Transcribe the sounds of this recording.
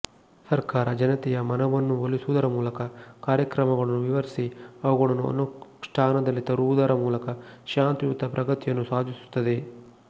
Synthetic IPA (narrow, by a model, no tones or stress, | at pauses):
sɐɾkaːɾɐd͡ʒɐnɐt̪ɛjɐmɐnɐʋɐnːuʋɐlisuʋud̪ɐɾɐmuːlɐkɐkaːɾjɐkɾɐmɐɡɐɭɐnːuʋiʋɐɾisiɐʋɐɡɐɭɐnːuɐ̰nuʂʈʰaːnɐd̪ɐlːit̪ɐɾuʋud̪ɐɾɐmuːlɐkɐʃaːnt̪ijut̪ɐpɾɐɡɐt̪ijɐnːusaːd̪ʱisu̥t̪ːɐd̪e̞